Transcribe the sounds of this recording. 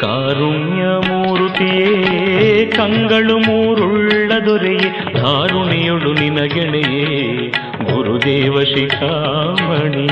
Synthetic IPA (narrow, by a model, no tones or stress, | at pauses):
kaːɾuɳjamuːɾut̪ije | kɐŋɡɐɭumuːɾuɭːɐd̪ɔɾɛje | k̪aːɾuɳijoɭuninɐɡɛɭeje | ɡuɾud̪eːʋɐʂikʰaːʋɐɳi